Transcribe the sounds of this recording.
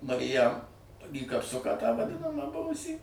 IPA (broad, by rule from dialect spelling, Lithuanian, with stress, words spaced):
mɐrʲɪˈjɛm iː kɐpˈsʊkɑː tɑː ʋɐˈdʲɪnɐmɑː ˈbʊʋʊsʲiː